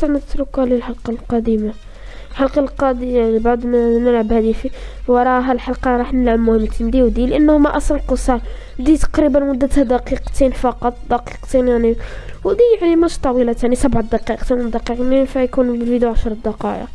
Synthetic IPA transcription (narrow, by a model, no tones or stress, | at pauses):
t̪amət̪ɾʊkalilħɑlqɑlqɑd̪ima | lħɑlqɑlqɑd̪ijalibaʕd̪mnəlʕabhæd̪ifiwɑɾˤɑʔɦælħɑlqɑɾˤɑħnəlʕəbmʊhəmːt̪nd̪iwd̪ilʔənːhʊmæʔɑsˤlqəsˤɑɾ | d̪it̪ɑ̥qɾibənmʊd̪ːət̪hæd̪ɑqiqt̪enfɑqɑt̪ˤd̪ɑqi̥qt̪enjaʕniwd̪iaʕnimʊʃt̪ˤɑwilat̪ænisæbʕd̪ɑqɑʔqt̪ind̪ɑqiqninfæjkunfid̪uʕaʃɾˤd̪ɑqɑʔə̰q